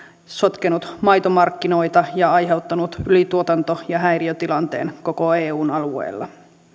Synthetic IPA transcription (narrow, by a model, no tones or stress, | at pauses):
so̞t̪kenut̪mɑjt̪omɑrkːino̞jt̪ɑjɑɑjɦe̞ut̪ːɑnut̪ylit̪uot̪ɑnt̪ojɑɦæjriot̪ilɑnt̪e̞̰ːnko̞ko̞eːuːnɑluḛːlːɑ̰